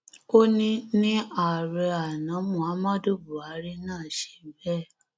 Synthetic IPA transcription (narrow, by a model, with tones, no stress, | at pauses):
o˦nĩ˦nĩ˦a˨ɾɛ˧a˨nã˨˦mũ˨a˨˦mã˦do˦bu˨a˨˦ɾi˦nãː˦˨ʃe̥˧˨˦bɛ˦˨